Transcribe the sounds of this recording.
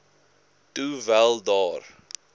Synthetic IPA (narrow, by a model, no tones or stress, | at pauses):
tuvælˠdɑr